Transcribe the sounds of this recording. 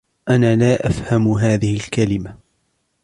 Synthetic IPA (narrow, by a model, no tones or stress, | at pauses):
ʔanaːlaːʔafhamɦaːðɪhɪlkalɪma